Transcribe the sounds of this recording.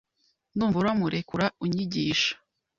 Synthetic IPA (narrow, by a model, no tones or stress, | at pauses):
nduːɱvuɾamuɾʔekuɾauɲiɟiːʃḁ